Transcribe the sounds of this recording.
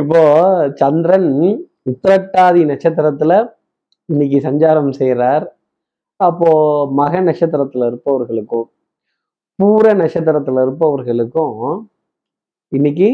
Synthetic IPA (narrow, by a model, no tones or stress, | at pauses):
ɪpːoːt͡ʃɐnd̪ɪɾɐn | ʊt̪ːɐɾɐk̚ʈːaːðinɐkʂɐt̪̬ːɐɾɐt̪ːɪlɐ | ɪnːɪk̬ːɯsɐɲd͡ʒaːɾɐmsɛjɾaːɾ | ɐpːoːmɐɣɐnɐkʂɐt̪ːɐɾɐt̪ːɯlɐɪɾɯpːɐʋɐɾɣɐɭɯkːʊ̃ | puːɾɐnɐkʂɐt̪̬ːɐɾɐt̪ːɯlɪɾɯpːɐʋɐɾɣɐɭɯkːʊ̃ | ɪnːɪk̬ːɯ